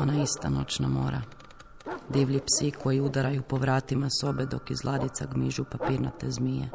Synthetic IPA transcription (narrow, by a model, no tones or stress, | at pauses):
onaist̪a̰no̞̰t͡ʃnamo̰ːɾa̰ | d̪iʋʎipsikʰo̞jiud̪aɾajupo̞ʋɾaːt̪imaso̞bed̪o̞kizlˠad̪it̪saɡmiʒupapiːɾna̰t̪ezmije